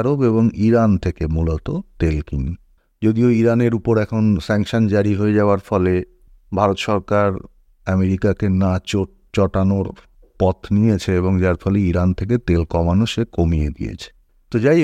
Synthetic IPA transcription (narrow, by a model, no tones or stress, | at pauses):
ɾobeβoŋiɾant̪ʰekemulot̪ot̪elkin | d͡ʑod̪ioiɾaneɾupoɾɛkʰonsɛŋʃond͡ʑaɾiɦoed͡ʑaoaɾfɔle | bʱaɾot̪ʃɔɾkaɾ | ameɾikakenat͡ɕoʈ | t͡ɕɔʈanoɾ | pɔt̪ʰnijet͡ɕʰeeβoŋd͡ʑaɾfɔleiɾant̪ʰek̬et̪elkɔmanoʃekomied̪ḭjḛt͡ɕʰe̥ | t̪od͡ʑaj